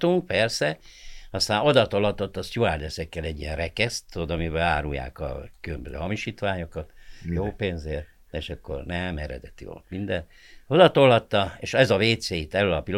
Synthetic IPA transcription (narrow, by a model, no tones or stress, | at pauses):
t̪uŋk̚pɛrsɛɒst̪aːno̞d̪ɒt̪olɒt̪ːot̪ːɒsjuaːrd̪ɛsɛkːɛlɛɟːijɛnrɛkɛst̪ːoːd̪ɒmibɛaːɾṵja̰ːkɒ̰kylømbøzø̰ːhɒmiʃiːt̪ʋaːɲo̞kɒt̪joːpeːnzeːr | eːʃɛkːo̰rnɛmɛɾɛ̰d̪ɛt̪iʋo̰lt̪mind̪ɛn | o̞d̪ɒt̪olɦɒt̪ːɒeːʃɛzɒveːt̪seːit̪ɛlølɒpil